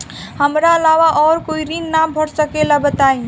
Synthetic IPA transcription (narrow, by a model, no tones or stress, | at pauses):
həmɾaəlaʋaʔɔːɾkoiɾinːabʱəɽsəkelabət̪aĩ